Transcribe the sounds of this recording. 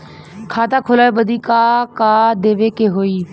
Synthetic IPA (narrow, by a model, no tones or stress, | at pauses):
kʰaːt̪aːkʰʊlaːeːbəd̪iːkaːkaːd̪eːʋeːkeɦoːiː